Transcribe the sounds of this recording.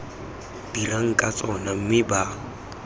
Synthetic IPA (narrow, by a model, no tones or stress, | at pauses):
b̥iraŋ̩kʼat͡sʼɔnam̩mɪba